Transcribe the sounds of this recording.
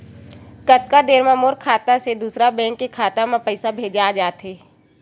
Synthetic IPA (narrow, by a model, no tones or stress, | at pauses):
kət̪̚kad̪eːɾmãmoːɾkʰaːt̪ased̪uːsɾabɛ̃ːŋkːekʰaːt̪amãpəɪsabʱeːd͡ʒaːd͡ʒaːt̪ɦeː